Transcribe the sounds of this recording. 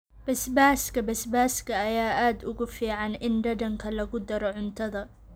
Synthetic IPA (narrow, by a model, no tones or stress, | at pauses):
b̥ɐsbaːskʰɐbɐsbaːskʰɐːjaːʔaːd̪ʊɣʊfiːʕɑnʔɪnɖɐdɐŋkʰɐlɐɣʊd̪ɐɾɔʕʊnt̪ʰɐðɐ